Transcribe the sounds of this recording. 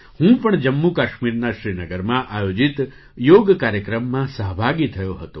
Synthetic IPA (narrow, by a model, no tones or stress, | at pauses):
hũpəɳd͡ʒəmːukaʃmiɾnaʃɾinəɡəɾmãʔajod͡ʒit̪ | joɡkaɾjəkɾəmːãsəɦbʱaɡit̪ʰəjoɦət̪o